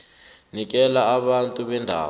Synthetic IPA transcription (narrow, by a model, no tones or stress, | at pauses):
nik̬ɛlaːɓantʼuɓɛndʱa̰ː